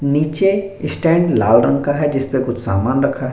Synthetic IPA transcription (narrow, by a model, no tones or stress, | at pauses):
niːt͡ʃeɪsʈɛ̃ːɳɖla̰ːlɾɐ̃ŋɡkaɦɛd͡ʒɪspekʊt͡ʃʰsa̰ːmaːnɾɐkʰaɦ